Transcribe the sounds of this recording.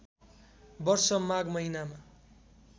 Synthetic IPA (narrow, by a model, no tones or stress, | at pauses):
bʌrsʌmaɡmʌɦinama